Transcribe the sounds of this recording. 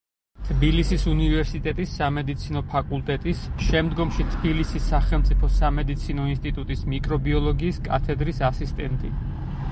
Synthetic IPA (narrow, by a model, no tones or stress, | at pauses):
t̪ʰbilisisunivɛɾsit̪ʼɛt̪ʼisːamɛd̪it̪sʰinɔpʰakʼulˠt̪ʼɛt̪ʼisʃɛmd̪ɡɔmʃit̪ʰbilisisːaχɛlˠmt̪sʼipʰɔsamɛd̪it̪sʰinɔinst̪ʼit̪ʼut̪ʼismikʼɾɔbiɔlˠɔɡiːskʼa̰t̪ʰɛd̪ɾisasist̪ʼɛnt̪ʼḭ